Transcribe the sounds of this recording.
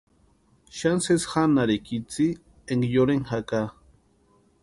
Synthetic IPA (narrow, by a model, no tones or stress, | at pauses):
ʃansesxanaɾekit͡si | eŋɡjoɾeŋxaka